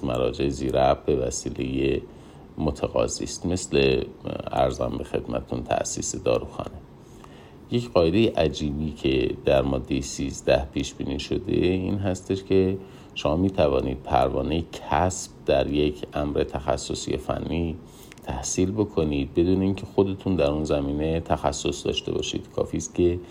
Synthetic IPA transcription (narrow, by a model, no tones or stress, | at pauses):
mæɾɒːd͡ʒe̞eziːɾæbbe̞væsiːle̞je | mot̪ʰeɣɒ̰ːzḭːst̪me̞sle̞æ̰ɾzæ̰mbe̞xe̞d̪mæt̪ʰet̪ʰunt̪ʰæ̰ʔsḭːsed̪ɒːɾuxɒ̰ːne | je̞cʰɢɒːjed̪e̞jeʔæd͡ʒiːbiːcʰed̪̥æɾmɒːd̪ːe̞jesiːzd̪æhpʰiːʃb̥iːniːʃod̪e̞iːnɦæst̪e̞ʃcʰe̞ | ʃomɒːmiːt̪ʰævɒːnḭːd̪̥̚pʰæ̰ɾvɒ̰ːnejecʰæsb̥̚d̪æɾje̞cʰʔæmɾet̪ʰæxæ̰sːosḭjḛfæ̰nːiː | t̪ʰæhsiːlbo̞kʰo̞niːd̪̚be̞d̪uːneiːncʰe̞xod̪e̞t̪ʰund̪æɾunzæmiːne̞t̪ʰæxæsːo̞sd̪ɒ̰ːʃt̪e̞bɒ̰ːʃḭːd̪̥kʰɒ̰ːfiːst̪̚cʲʰe̞